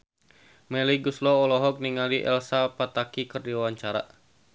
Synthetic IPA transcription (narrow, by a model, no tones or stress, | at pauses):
mɛliɡuslɔɔlɔɦɔk̚niŋaliʔɛ̰lsapat̪akikərdiwawaɲt͡ʃaɾa̰